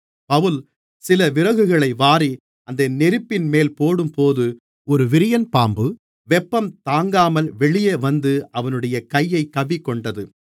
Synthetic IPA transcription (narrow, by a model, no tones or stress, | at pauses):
pɐʋɯl | sɪlɐʋɪɾɐɣɯɣɐɭɐɪʋaːɾi | ʔɐnd̪ɐnɛɾɯpːɪnmeːlpoːɽɯmpoːðɯ | ɔɾɯʋɪɾɪjɐnpaːmbɯ | ʋɛpːɐmt̪aːŋɡaːmɐlʋɛɭɪjeːʋɐnd̪ɯʔɐʋɐnɯɽɐjɐkɐjːɐɪkːɐʋikːɔɳɖɐðɯ